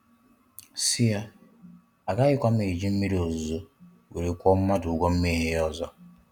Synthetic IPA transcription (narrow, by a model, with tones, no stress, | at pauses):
si˦a˦ | a˨ɡa˦ɣɪ˦kʷa˦m̩˦e˨d͡ʒi˦m̩˦i˦ɾo˨zu˨zo˦ | wḛ˨ɾe˨kʷɔ˦m̩˦ma˦du˨ɡʷɔ˦m̩˦me˦ɦe˦ɔ˦zɔ˦